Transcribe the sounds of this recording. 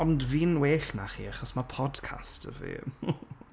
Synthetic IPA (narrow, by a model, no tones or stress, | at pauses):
ɔndviːnweːɬna̰χḭːaχɔsmapʰɔdkʰa̰stə̰vḭː